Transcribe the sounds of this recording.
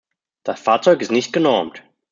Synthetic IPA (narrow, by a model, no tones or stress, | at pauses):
d̥asfaːɐt͡sɔʏkɪstnɪçt̚ɡ̥ənɔɐmt